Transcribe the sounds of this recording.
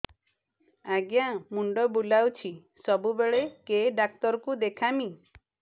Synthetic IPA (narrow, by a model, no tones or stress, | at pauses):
aɡjamuɳɖɔbulawt͡ʃʰi | sɔbubeɭekeɖak̚t̪ɔɾɔkud̪ekʰami